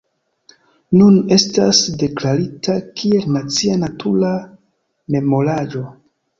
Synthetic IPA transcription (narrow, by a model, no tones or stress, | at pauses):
nune̞stasde̞klaɾitʰakʰie̞lnat͡sianatʰuɾa | me̞mo̞lad͡ʒo̞